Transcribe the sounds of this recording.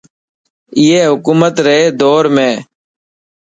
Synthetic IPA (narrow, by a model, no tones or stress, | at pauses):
ɪeːɦʊkuːmət̪ɾəɦeːd̪oːɾmẽː